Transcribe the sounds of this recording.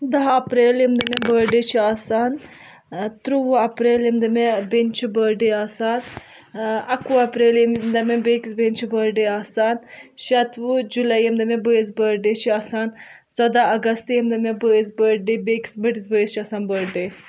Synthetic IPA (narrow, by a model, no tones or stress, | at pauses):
d̪ɐɦɐpɾeːlimd̪ɐmẽbəːɾɖeːt͡ʃʰiaːsaːn | t̪ɾuʋuɐpɾeːlimd̪ɐmẽbent͡ʃʰibəːɾɖeaːsaːn | ɐkuɐpɾeːlimd̪ɐmẽbeːksbent͡ʃʰibəɾɖeaːsaːnʃɐt̪ʋud͡ʒulɐjimd̪ɐmẽbəis̬bəɾɖeːt͡ʃʰiaːsaːn | t͡sɐd̪aːɐɡɐst̪jimd̪ɐmẽbəisbəɾɖebeki̥sbəʈisbəːist͡ʃʰiaːsaːnbəɾɖeː